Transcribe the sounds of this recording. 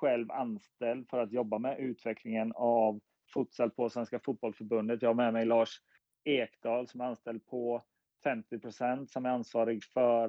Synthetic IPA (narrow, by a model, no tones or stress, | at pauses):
ɧɛlva̰nst̪ɛld̪fœɾat̪jɔbːamɛʔʉ̟ːt̪ʰvɛkʰlɪŋənav | fut̪sɛlpʰɔsvɛnskafʊt̪̚bɔlsfœɾbɵnd̪ət̪jɑːɡhaɾmɛmɛjlɑːʂ | eːkd̪̥ɑːlsɔmæɾanst̪ɛld̪̚pʰɔ | fɛmt̪ɪpʰɾʊsɛnt̪sɔmæɾansvɑːɾɪɡfœɾ